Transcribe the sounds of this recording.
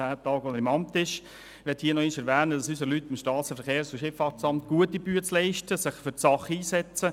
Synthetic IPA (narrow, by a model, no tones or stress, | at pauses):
æːt̪ɑːɡ̥ɔnəɾɪmɑmt̪ɪʃ | ʋɛthiːənɔɪʃɛɾʋæːnəd̥ɑsysəlytɪmʃtɑːt͡səfəɾχeːɾsuʃɪfɑt͡sɑmt̚ɡ̥uətibyːət͡slɛɪʃtəsɪχfʏsɑχəiːsɛt͡sə